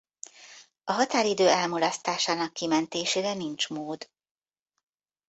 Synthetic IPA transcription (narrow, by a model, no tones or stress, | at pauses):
ɒɦɒt̪aːɾid̪øːɛlmulɒst̪aːʃaːnɒkːimɛnt̪eːʃeːɾɛnint͡ʃmoːd̪